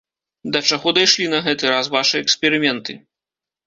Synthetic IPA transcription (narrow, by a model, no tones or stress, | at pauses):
d̪ɐt͡ʂaɣɔd̪ɐjʂlʲinɐɣɛt̪ɨɾas̬vaʂɨɛkspʲɛɾɨmʲɛnt̪ɨ